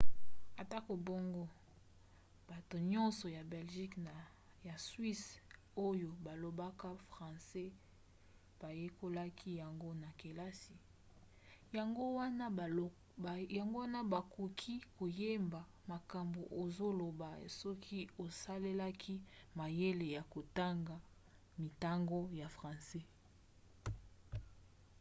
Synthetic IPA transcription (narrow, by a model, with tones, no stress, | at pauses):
a˨ta˦ko˨bo˦ŋɡo˦ | b̥a˨to˨ɲɔ̃˦nsɔ˨ja˨be˨lʒi˦k | ja˨swi˦s | o˦jo˨ba˨lo˨ba˦ka˦fʁã˨sɛ˦ | b̥a˨je˦ko˦la˦kʰi˦ja˨ŋɡo˦na˨ke˨la˦si˨ | ja˨ŋɡo˦wa˦na˦˨ | a˨ŋɡo˦wa˦na˦ba˨ku˨kʰi˦ko˨je˦mba˨ | ma˨ka˨mbo˨ʔo˨zo˦lo˨ba˨sɔ˦kʰi˦o˨sa˦le˦la˦kʰi˦ma˨je˦le˨ja˨ko˨ta˦ŋɡa˨ | mi˨ta˦ŋɡo˦ja˨fʁã˨se˦